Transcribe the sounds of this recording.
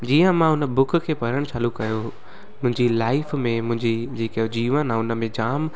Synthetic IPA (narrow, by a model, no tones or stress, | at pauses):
d͡ʑiːə̃mãɦʊnə̆bʊkʰkʰeːpɐɾəɽ̃t͡ɕʰaːlukɐjo | mʊ̃ɦɪ̃ɲd͡ʑilaːɪfmẽmʊ̃ɦɪ̃ɲd͡ʑid͡ʑeːkod͡ʑiːʋənãʊnə̆mẽd͡ʑaːm